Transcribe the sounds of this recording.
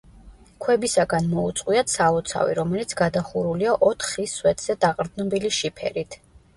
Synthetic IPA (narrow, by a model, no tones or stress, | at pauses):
kʰwɛbisaɡanmɔut̪sʼqʼwiat̪saɔt̪sʰa̰vḭɾɔmɛlit̪sʰɡ̥ad̪aχuɾuliaʔɔt̪ʰχiswɛt̪ʰz̥ɛd̪̥aqʼɾd̪nɔbiliʃipʰɛ̰ɾit̪ʰ